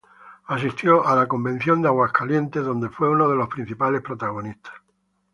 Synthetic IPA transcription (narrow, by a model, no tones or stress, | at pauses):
asist̪joʔalako̞mbẽ̞n̟θjo̞nd̪eaɣwaskʰalje̞nt̪ezðo̞nd̪e̞fwe̞unoð̞e̞lo̞spɾin̟θipalehpɾot̪aɣ̞onist̪ʰḁs